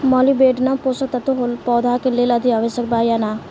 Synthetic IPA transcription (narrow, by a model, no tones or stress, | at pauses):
mɔːlibeːɖnaposət̪ɐt̪oɦolpɔːd̪aːkelelɐd̪ʱiaʋəsək̚baːjaːnaː